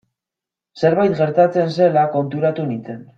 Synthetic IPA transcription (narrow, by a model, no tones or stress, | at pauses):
se̞ɾβajt̪ɡe̞ɾt̪at͡se̞ns̬e̞lako̞nt̪uɾat̪unit͡se̞n